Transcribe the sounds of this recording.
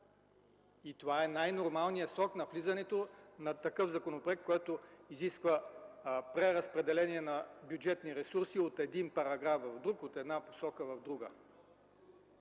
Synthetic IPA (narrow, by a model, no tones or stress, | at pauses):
it̪ovaɛnajnoɾmalˠnijəsɾɔknɐflizɐnɛt̪onɐt̪ɐkɤvzɐkonopɛkkːoɛt̪oiziskvə | pɾɛɾɐspɾɛd̪ɛlɛniɛnɐbjud͡ʒɛt̪niɾɛsuɾsiot̪ɛd̪inpɐɾɐɡɾafvɐvd̪ɾukot̪ɛd̪napo̥sɔkəvɐvd̪ɾuɡə̰